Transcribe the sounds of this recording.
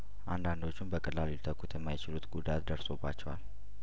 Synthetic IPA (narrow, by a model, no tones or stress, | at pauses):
ʔand̪and̪o̞t͡ʃːunbəkʼəlːalilt̪ʰəkʰːut̪ʰjɛmːajɪt͡ʃɪlut̪ɡud̪at̪d̪əɾso̞bːa̰t͡ʃːɛwa̰l